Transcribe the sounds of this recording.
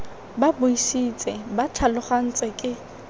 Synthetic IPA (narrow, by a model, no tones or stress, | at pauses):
babʊisit͡sʼɛbatʰalʊχan̩t͡sʼɪkʼɪ